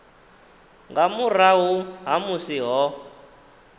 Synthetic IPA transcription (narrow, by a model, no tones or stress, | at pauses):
ŋɡamuraɦuɦamusiɦɔ